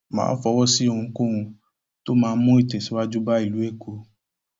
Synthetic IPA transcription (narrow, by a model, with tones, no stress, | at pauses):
mã̰ː˨˦fɔ˧wɔ˦si˦o˦˨ũ˧˦kõ˦ɾũ˧ | to˦mãː˧˦mũ˦i˦˨tɛ˨si˨˦wa˦d͡ʒu˦ba˦i˦˨lu˨˦e˦˨kʰo˨˦